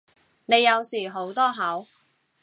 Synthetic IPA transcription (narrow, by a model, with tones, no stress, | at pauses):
ne˨˧jːɐ˨˧wsiː˨˩ɦo˨˥wt̪ɔː˥ɦɐ˨˥w